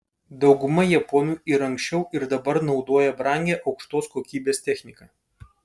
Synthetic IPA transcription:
d̪ɒʊɡʊmɐjɛpɔːnʲuːɪɾɐŋksʲt͡ʃʲɛʊʔɪɾd̪ɐbɐɾnɒʊd̪oːjɛbɾɐˑŋʲɡʲeːʔɒʊkʃt̪oːskoːkʲiːbʲeːst̪ʲɛxʲnʲɪkɐː

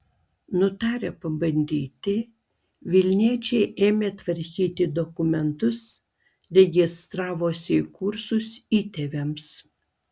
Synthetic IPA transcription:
nʊt̪ɑːɾʲepɐbɐnʲd̪ʲiːt̪ʲɪ | ʋʲɪlʲnʲiɛt͡ʃʲɛɪʔeːmʲeːt̪ʋɐɾʲkʲiːt̪ʲɪd̪ɔkʊmʲɛnt̪ʊs | ɾʲɛɡʲɪst̪ɾɑːʋoːsʲɪɪkʊɾsʊsiːt̪ʲeʋʲɛms

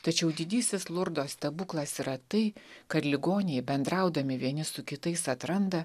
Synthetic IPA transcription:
t̪ɐt͡ʃʲɛʊd̪ʲɪd̪ʲiːsʲɪslˠʊɾd̪oːst̪ɐbuːklˠɐsiːɾɐt̪ɐɪkɐt̪lʲɪɡoːnʲɪjbʲɛnd̪ɾɐʊd̪ɐmʲɪʋʲiɛnʲɪsʊkʲɪt̪ɐɪsɐt̪ɾɐnd̪ɐ

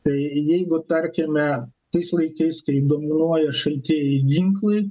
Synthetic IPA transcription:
t̪ɐɪjɛɪɡʊt̪ɐɾʲkʲemʲɛt̪ɐɪslˠɐɪkɐɪskɐɪd̪oːmʲɪnuɔjɛʃɐlʲt̪ʲiːjɪɡʲiŋklˠɐɪ

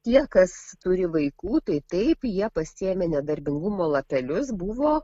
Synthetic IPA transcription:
tʲiɛkɐst̪ʊɾʲɪʋɐɪkuːt̪ɐɪt̪ɐɪpjiɛpɐsʲɪemʲenʲɛd̪ɐɾʲbʲɪŋɡʊmoːlˠɐpʲɛlʲʊsbʊʋoː

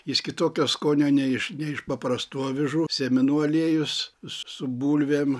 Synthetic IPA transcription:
jɪskʲɪt̪oːkʲoːskoːnʲoːnʲɛɪʃnʲɛɪʃpɐpɾɐst̪uɔʋʲɪʒuːsʲɛmʲɪnuɐlʲeːjʊssʊbuːlʲʋʲeːm

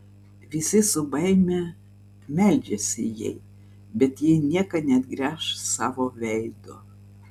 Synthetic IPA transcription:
ʋʲɪsʲɪsʊbɐɪmʲe | mʲælʲd͡ʒʲesʲɪjɛ̰ɪ | bʲɛt̪jɪnʲiɛkɐnʲɛt̪ɡɾʲæːʃsɑːʋoːʋʲɛɪd̪o

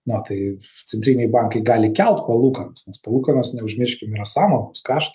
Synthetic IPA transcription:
not̪ɐɪ | t̪sʲɛnʲt̪ʲɾʲinʲɛɪbɑŋkɐɪɡɑːlʲɪkʲɛlˠt̪pɐlˠuːkɐnɐsnʲɛspɐlˠuːkɐnɐsnʲɛʊʒʲmʲɪʃʲkʲɪmiɾɐsɑːmonʊskɑːʃt̪ɐ

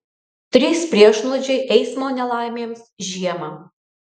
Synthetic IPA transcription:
t̪ʲɾʲiːspʲɾʲiɛʃnˠɔd͡ʒʲɛɪʔɛɪsmoːnʲɛlˠɑˑɪmʲeːmsʒʲiɛmɐ

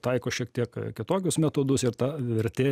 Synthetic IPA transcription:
t̪ɐɪkoːʃʲiɛk̚t̪ʲiɛkkʲɪt̪oːkʲʊsmʲɛt̪oːd̪ʊsɪɾt̪ɑʋʲɪɾʲt̪ʲeː

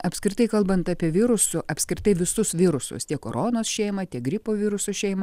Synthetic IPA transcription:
ɐpʲsʲkʲɾʲɪt̪ɐɪkɐlˠbɐnt̪ɐpʲiɛʋʲɪɾʊsʊʔɐpʲsʲkɾʲɪt̪ɐɪʋʲɪsʊsʋʲɪɾʊsʊ̰st̪ʲiɛkoːɾonoːsʃʲɛɪmɐt̪ʲiɛk̚ɡɾʲɪpoːʋʲɪɾʊsoʃʲɛɪmɐ

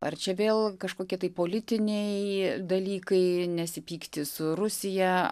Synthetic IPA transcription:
ɐ̰rt͡ʃʲɛʋʲeːlˠkɐʃkoːkʲiɛt̪ɐɪpoːlʲɪt̪ʲɪnʲɛɪd̪ɐlʲiːkɐɪnʲɛsʲɪpʲiːkt̪ʲɪsʊɾʊsʲɪjɛ

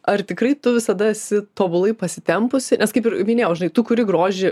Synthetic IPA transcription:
ɐrt̪ʲɪkɾɐɪt̪ʊʋʲɪsɐd̪ɐɛsʲɪt̪oːbʊlˠɐɪpɐsʲɪt̪ʲɛmpʊsʲɪnʲɛskɐɪpɪɾmʲɪnʲeːjɛʊʒʲɪnɐɪt̪ʊkʊɾʲɪɡɾoːʒʲɪ

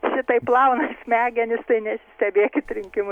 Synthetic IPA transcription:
ʃʲɪt̪ɐɪplˠɐʊnɐsmʲæːɡʲɛnʲɪst̪ɐɪnʲɛsʲɪsʲt̪ʲɛbʲeːkʲɪt̪ɾʲɪŋʲkʲɪmʊ

